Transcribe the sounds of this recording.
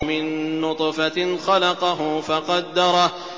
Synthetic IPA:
mɪnːʊt̪ˤfaxɑlɑqɑɦʊfɑqɑd̪ːɑɾˤɑ

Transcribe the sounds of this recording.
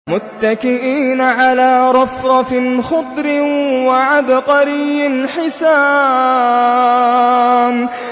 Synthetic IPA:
mʊt̪ːakɪʔiːnaʕalaːɾˤɑfɾˤɑfɪnxʊd̪ˤɾɪwaʕad̪qɑɾɪjːɪnħɪsaː | n

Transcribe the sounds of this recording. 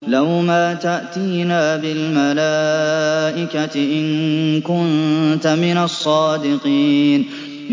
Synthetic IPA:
lawmaːt̪aʔt̪iːnaːbɪlmalaːʔɪkat̪ɪʔɪnkʊnt̪amɪnasˤːɑːd̪ɪqiːn

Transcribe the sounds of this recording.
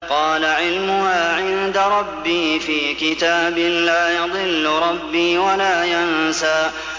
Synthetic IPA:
qɑːlaʕɪlmʊhaːʕɪnd̪aɾˤɑbːiːfiːkɪt̪aːbɪnlaːjɑd̪ˤɨlːʊɾˤɑbːiːwalaːjansaːʔ

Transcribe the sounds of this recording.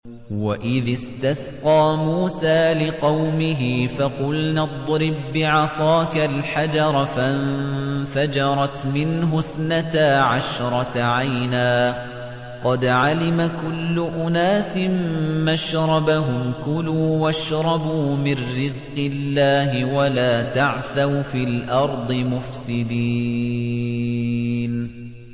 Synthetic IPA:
waʔɪðɪst̪asqɑːmuːsaːlɪqɑwmɪɦɪfaqʊlnad̪ˤɾɪbːɪʕɑsˤɑːkalħad͡ʒɑɾˤfaʔnfad͡ʒɑɾˤɑt̪mɪnɦʊθnat̪aːʕaʃɾˤɑt̪aʕajnaː | qɑd̪ʕalɪmakʊlːʊʔʊnaːsɪmːaʃɾˤɑbaɦʊmkʊluːwaʃɾˤɑbuːmɪnːɪzqɨlːaːɦɪwalaːt̪aʕθawfiːlʔɑɾˤd̪ˤɨmʊfsɪd̪iː | n

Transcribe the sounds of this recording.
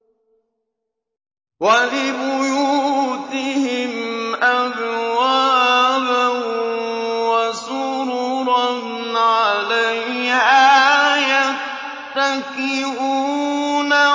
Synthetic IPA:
walɪbʊjuːt̪ɪhɪmʔazwaːba | wasʊɾuɾɑn | ʕalahʔaːja | t̪akɪɾuːna

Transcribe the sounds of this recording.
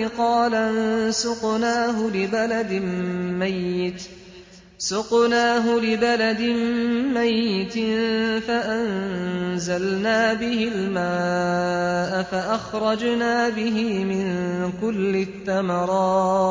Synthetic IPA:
ɪqɑːlansʊqnaːɦʊlɪbalad̪ɪmmajːɪt̪ | sʊqnaːɦʊlɪbalad̪ɪmmajːɪt̪ɪfaʔanzalnaːbɪhɪlmaː | ʔafaʔaxɾˤɑd͡ʒnaːbɪɦɪmɪnkʊlːɪθːamɑɾˤɑː

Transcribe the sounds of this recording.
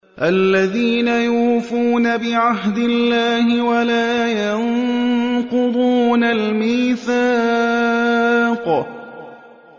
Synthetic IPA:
ʔalːaðiːnajuːfuːnabɪʕaɦd̪ɪlːaːhɪwalaːjan | qʊd̪ˤuːnalmiːθa | q

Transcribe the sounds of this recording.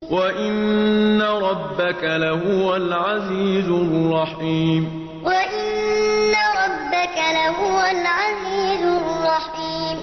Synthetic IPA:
waʔɪnːaɾˤɑbːakalahʊwalʕaziːzʊrˤːɑħiːm | waʔɪnnnːaɾˤɑbːakalaɦʊwalʕaziːzʊrːɑħ | iːm

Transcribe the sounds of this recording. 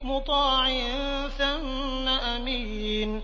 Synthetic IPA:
mʊt̪ˤɑːʕɪ | θanː | aʔamiː | n

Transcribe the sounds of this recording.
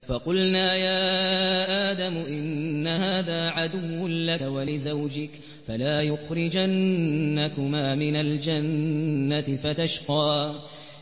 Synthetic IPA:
fɑqʊlnaːjaːʔaːd̪amʊʔɪnːahaːðaːʕad̪ʊwːʊnlakwalɪzawd͡ʒɪk | falaːjʊxɾɪd͡ʒanːakʊmaːmɪnald͡ʒanːat̪ɪfat̪aʃqɑː

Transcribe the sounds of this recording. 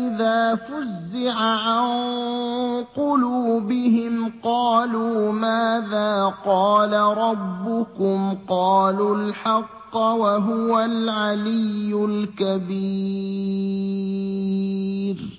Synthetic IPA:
ʔɪðaːfʊzːɪʕaʕan | qʊluːbɪɦɪmqɑːluːmaːðaːqɑːlaɾˤɑbːʊkʊmqɑːlulħɑqːɑwaɦʊwalʕalɪjːʊlkabi | ɾ

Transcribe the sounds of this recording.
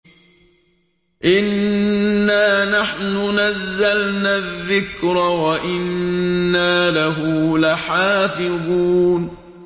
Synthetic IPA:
ʔɪnː | aːnaħnʊnazːalnaːðːɪkɾɑwaʔɪnːaːlaɦʊlaħaːfɪðˤuːn

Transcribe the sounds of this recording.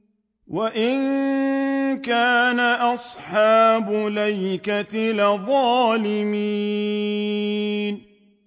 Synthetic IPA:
waʔɪn | kaːnaʔɑsˤħɑːbʊlajkat̪ɪlɪðˤɑːlɪmi | n

